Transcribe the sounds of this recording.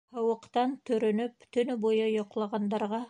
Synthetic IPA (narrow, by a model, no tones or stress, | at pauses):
hɑwə̆qt̪ɑnt̪ʰɵ̆ɾɵ̆nʏpt̪ʰɵ̆nɘbojɤjoqlˠɑʁɑnd̪ɑɾʁɑ